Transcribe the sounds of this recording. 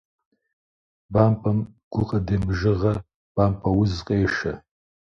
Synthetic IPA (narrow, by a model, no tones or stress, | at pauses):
bampʼɐmɡ̥ʷʊqʼɐdemʒɨʁɐ | b̥ampʰʼɐwʊzqʼeːʃɐ̰